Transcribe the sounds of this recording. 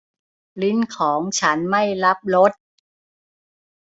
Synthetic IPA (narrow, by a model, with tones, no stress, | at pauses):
li˦˥nkʰɔː˩˦ŋt͡ɕʰa˦˥nma˥˩jla˦˥p̚lo˦˥t̪̚